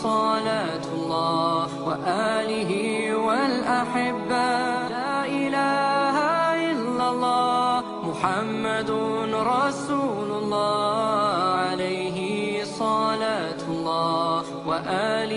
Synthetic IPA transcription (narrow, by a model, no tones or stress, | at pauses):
sˤɑlaːt̪lˤːɑː | waʔaːlɪɦiwalʔaħɪbːalaːʔɪlaːhaʔɪlːalˤːɑː | mʊħamːad̪ɾˤɑsuːlʊlˤːɑː | ʕalajɦɪsˤɑlaːt̪ʊlˤːɑː | waʔaːlɪ